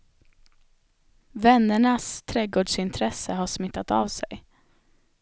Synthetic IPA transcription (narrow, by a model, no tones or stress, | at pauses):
vɛnːəɳast̪ʰɾɛːɡoːɖʂɪnt̪ʰɾɛsəɦaʂmɪt̪ːat̪avsɛ̰j